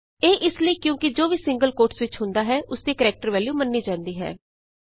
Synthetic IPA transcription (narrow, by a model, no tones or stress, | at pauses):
eːʔɪsləiːkjõːkɪd͡ʒoːʋiːsɪ̃ŋɡəlkoːɾʈsʋɪt͡ʃɦʊ̃nd̪aːɦɛːʔʊsd̪iːkəɾɛːk̚ʈəɾʋɛːljuːmənːiːd͡ʒãːnd̪iːɦɛ̰ː